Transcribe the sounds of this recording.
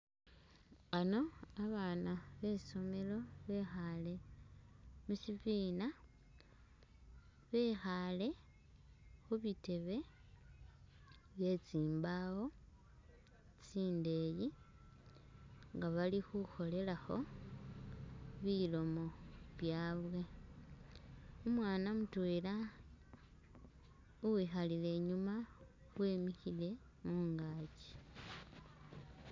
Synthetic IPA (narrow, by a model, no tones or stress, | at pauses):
ano̞aβaːnaβe̞so̞me̞lo̞βe̞xale̞ | musiviːna | βe̞ːxale̞ | xuβite̞βe̞ | βje̞t͡siːmbawo̞ | t͡siːnde̞ji | ŋɡaβalixuxo̞le̞laxo̞̰ | βilo̞mo̞βjaːβwe | umwaːnamutweːla | uwiːxalile̞ːɲuma | βwe̞ːmixile̞ | muːŋɡaci̥